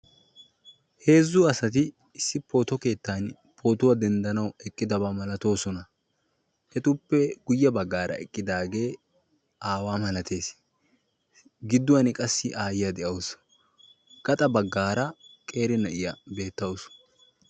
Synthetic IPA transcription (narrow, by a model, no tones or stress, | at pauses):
he̞ːzːʊɐsɐt̪̬ɪ | ɪsːɪpo̞ːt̪ɔke̞ːt̪ːaːn | pʰo̞ːt̪ʊwɐd̪ɛnd̪ɐnɐwɛkʼːɪd̪ɐbamɐlɐt̪o̞ːsɔnɐ | hɛt̪ʊpːɛɡʊjːɐbɐɡːaːɾɐ̰ɛkʼːɪd̪aːɡe̞ː | ʔaːwaːmɐlɐt̪ʰe̞ːs | ɡɪd̪ːʊwɐnɪkʼɐsːɪʔaːjɪjɐd̪ɛʔɐws | ɡ̥ɐt̪ʼɐbɐɡːaːɾɐkʼe̞ːɾɪnɐʔɪjɐbe̞ːt̪ːɐws